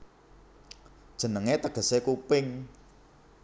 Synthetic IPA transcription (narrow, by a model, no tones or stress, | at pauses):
d̥ʒ̥ə̤nəŋet̪əɡ̥ə̤sekupɪŋ